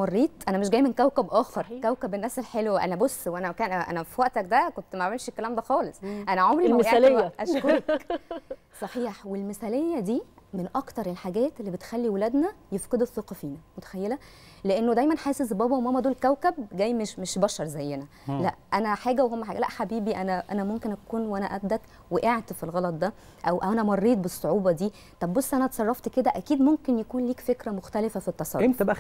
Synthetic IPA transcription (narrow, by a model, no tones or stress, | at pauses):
mɑrˤːiːt̪ˤʔænæmeʃ̬ɡæːjmenkæwkæbʔɑːxt̪ɑɾˤkæwkæbenːæːselħelwʔæ̰næbosːweʔænæmækæːnæʔæ̰næfiwæʔt̪æk̚d̪ækont̪mæʕmelʃekːælæːmd̪æxɑːlesˤʔænæʕomɾiæʔelejʔæʃkoɾɑk | sˤɑħiːħwelmesælejːæd̪iːmenʔɑkt̪ɑɾˤelħaɡæːt̪elːibet̪xælːiwelæd̪næjefqed̪eθːeqɑfiːnæmot̪æ̥xæjːelæ | leʔenːod̪æjmænħeːsezbæːbæwmomːæd̪oːlkæwkæbɡæjːmeʃmeʃbæʃɑɾˤzæjːenæ | læʔʔænæħaːɡæwehomːæħaːɡælæ̰ʔħabiːbiʔænæʔæ̰næmomkenʔækuːnwʔænæʔæbd̪ːæt̪ | weʔeʕt̪filɣɑlɑt̪̚ˤd̪æ | ʔæwʔæwʔænæmɑrˤːiːt̪̚besˤːoʕuːbɑd̪iː | t̪ˤɑbːosːʔænæt̪sˤɑrˤːɑft̪ked̪æʔækiːd̪momkenjækuːnliːkfekɾæmoxt̪ælefæfit̪ːɑsˤɑɾent̪æbææ